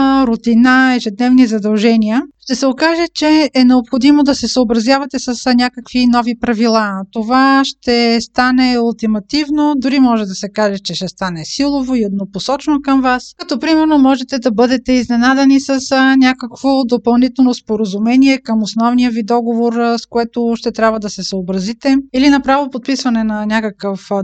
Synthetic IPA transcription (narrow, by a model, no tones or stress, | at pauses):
ɾʊt̪inaɛʒɛd̪nɛvnizɐd̪ɐlˠʒɛniəʃt̪ɛsɛokaʒɛt͡ʃɛːnɛopxod̪imod̪ɐsɛsəobɾɐzjavɐt̪ɛsəsnʲakəkvinɔvipɾɐvilˠat̪ovaʃt̪ɛst̪anɛɐlˠt̪ɛmɐt̪ivnod̪ʊɾimɔʒɛd̪ɐsɛkaʒɛt͡ʃɛʃt̪ɛst̪anɛsilˠovoiod̪noposɔt͡ʃnokəmvaskɐt̪ɔpɾimɛɾnomɔʒɛt̪ɛd̪ɐbɤd̪ɛt̪ɛiznɛnad̪ɛnisɐsnʲakəkvod̪opɐlˠnit̪ɛlˠnospoɾəzumɛniɛkəmosnɔvnijəvid̪ɔɡovoɾskoɛt̪ʊʃt̪ɛt̪ɾʲabvɐəd̪ɐsɛsəobɾɐzit̪ɛilinɐpɾavopot̪̚pisvɐnɛnɐnʲakəkəf